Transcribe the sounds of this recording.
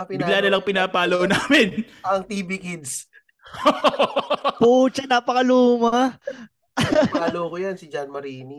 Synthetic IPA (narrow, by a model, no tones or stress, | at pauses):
pɪbɪɡlaːnɐlɐŋpɪnaːpaːloʔnaːmɪn | ɐŋt̪iːbikɪd̪s | o | put͡ʃɐnaːpɐkɐluːmɐ | aːlokojansɪd͡ʒanmɐɾiːni